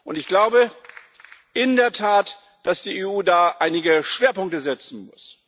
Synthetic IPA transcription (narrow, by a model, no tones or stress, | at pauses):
ʔʊntɪçɡ̥laʊbə | ʔɪndeːɐtʰaːt | d̥asd̥iːeːuːdaːʔaɪnɪɡəʃv̥eːɐpʊŋktəzɛt͡sn̩mʊ̰s